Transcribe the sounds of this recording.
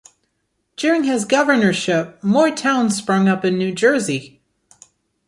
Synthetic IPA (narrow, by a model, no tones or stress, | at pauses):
d̥ʊɹɪ̃ŋɪzɡʌvə˞nə˞ʃɪp̚mɔɹtʰãʊ̃n̥spɹʌ̃ŋʌpɨ̃nːʉd͡ʒɜ˞zi